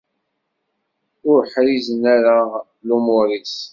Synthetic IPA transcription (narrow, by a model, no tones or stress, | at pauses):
ʊɾħɾizənaɾa | lumʊɾis